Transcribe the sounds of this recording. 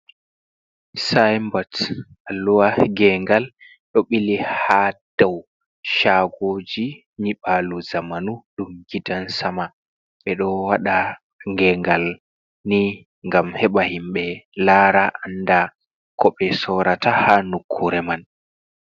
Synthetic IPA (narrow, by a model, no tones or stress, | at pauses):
sajmbat | alːuwaɡɛŋɡal | ɗɔɓilihad̥aw | ʃaɡoːd͡ʒi | niɓaluzamanuɗumɡidansama | ɓɛɗɔwaɗa | ŋɡɛŋɡal | ni | ŋɡamhɛɓahimɓɛlaːɾaʔanːda | kʰɔɓɛsɔɾatahanukʰːuɾɛman